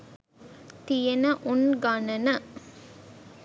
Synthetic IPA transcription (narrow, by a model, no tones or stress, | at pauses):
t̪ijɐnɐʔunɡɐnɐnɐ